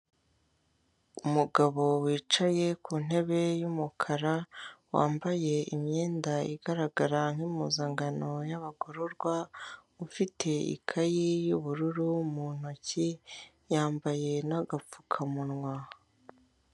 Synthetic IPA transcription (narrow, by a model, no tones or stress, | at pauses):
umuɡaβo̞wiːt͡ʃaje̞kuːn̥e̞βe̞jumukʰaɾawa̰ːmbaje̞imɲeːndaiɡaɾaɡaɾaŋ̥himuzaːŋɡano̞jaβaɡoɾoɾɡwaufitʰe̞ḭkʰajijuβuɾuɾumun̥oci | jaːmbaje̞naɡafu̥kʰamunŋwa